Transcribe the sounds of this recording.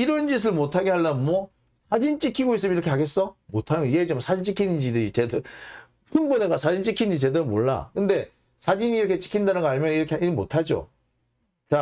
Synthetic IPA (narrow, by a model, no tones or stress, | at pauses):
iɾʌnd͡ʑis̬ʰɯɭmotʰaɡe̞ɦaɭːamwʌ | sʰad͡ʑint͡ɕ͈ikʰiɡois͈ɯmjniɾʌkʰeaɡe̞s͈ʌmotʰanɯnɡʌied͡ʑemsʰad͡ʑint͡ɕ͈ikʰinɯnd͡ʑidɯt͡ɕedɯ | pʰunboneɡasʰad͡ʑint͡ɕ͈ikʰinnɲd͡ʑit͡ɕe̞domoɭːa̰kɯnde̞ | sʰad͡ʑiniɾʌkʰe̞t͡ɕ͈i̥kʰindanɯnɡʌaɲmjʌniɾʌkʰeiɾɯɭmotʰad͡ʑo̰ | t͡ɕa